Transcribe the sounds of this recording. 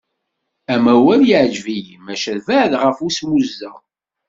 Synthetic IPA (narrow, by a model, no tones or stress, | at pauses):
æmæwæljiʕd͡ʒvijmæʃælvæʕðʁəfusmuzːæ